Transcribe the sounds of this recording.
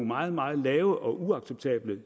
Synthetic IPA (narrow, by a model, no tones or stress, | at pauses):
mɑ̈ːð̞̩ˠmɑ̈ːð̞̩ˠlɛːʊəʔɒ̽ʔuɑ̈ɡ̥seb̥̚t͡sʰɛ̰ːb̥lə